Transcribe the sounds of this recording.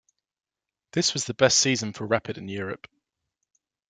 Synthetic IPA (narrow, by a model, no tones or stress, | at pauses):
ðɪswɒzðəbɛstsiːzə̃nfəɹapʰɪdɪ̃njɔːɹə̰p